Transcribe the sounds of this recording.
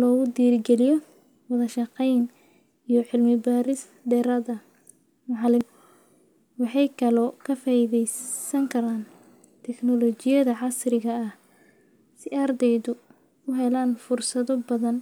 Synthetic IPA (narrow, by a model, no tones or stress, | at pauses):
lɔːɣʊd̪iːɾɡɛlɪjɔ | wɐðɐʃɑqɛjn | ijɔħɪlmɪbaːɾɪs | d̪ɛːɾɐðɐ | mɑʕlɪm | wɑħɑjkʰɐlɔkʰɐfaːɪðɛjsɐŋkʰɐɾaːn | t̪ʰɛknɔlɔt͡ʃɪjɐðɐʕɑsrɪɣɐɐh | sɪaːrd̪ɛjðʊ | ʊɦɛlaːnfʊrsɐðɔbɐðɐn